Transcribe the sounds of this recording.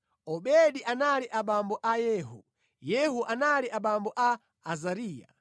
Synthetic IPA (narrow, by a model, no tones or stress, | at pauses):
ɔɓɛɗiʔanaliʔaɓambɔʔajɛːɦṵ | jɛɦuʔanaliʔaɓambɔʔaː | zaɾiːja̰